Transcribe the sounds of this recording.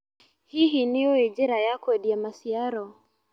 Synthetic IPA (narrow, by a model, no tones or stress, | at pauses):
hiɦinijɔid͡ʒɛɾajakwɛɗiamasiaɾɔ